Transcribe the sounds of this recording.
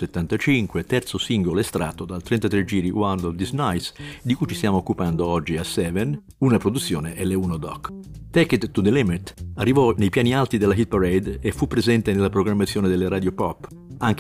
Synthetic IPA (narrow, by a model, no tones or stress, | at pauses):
set̪ːant̪at͡ʃiŋkwet̪ɛrt̪sosiŋɡoloest̪ɾa̰ːt̪od̪alt̪ɾɛnt̪at̪ɾed͡ʒiːɾiwand̪ɔvd̪iznajsd̪ikujt͡ʃist̪jaːmoːkːupand̪oɔd͡ʒːiasːɛːvɛn | unapɾod̪ut̪sːjoːneʔɛleunod̪ɔ̰kːt̪ɛket̪ːud̪elɛmɛt̪arːivɔnejpjaːnialt̪id̪elːaɦit̪̚paɾejd̪efːupːɾezɛnt̪enelːapɾoɡɾamːat̪sːjoːned̪elːeɾaːd̪jopɔpː | aŋk